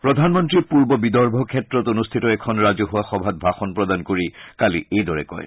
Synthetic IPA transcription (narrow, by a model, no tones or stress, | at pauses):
pɹɔd̪ʱanmɔntɹipuɹbɔbidɔɹbʱɔkʰɛtɹɔtonustʰitɔɛkʰɔnɹazoɦʊwaxɔbʱat̪̚bʱaxɔnpɹɔd̪ankoɹikalḭʔejdɔɹɛ̰kɔ̰j